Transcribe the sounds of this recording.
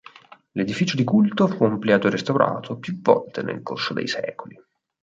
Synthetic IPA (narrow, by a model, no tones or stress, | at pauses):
led̪ifiːt͡ʃod̪ikult̪ofuamplaːd͡ʒ̪oɾest̪awɾʔa̰ːt̪ʰopjuvːɔlt̪enḛlkorsod̪ḛjsɛ̰ːkoli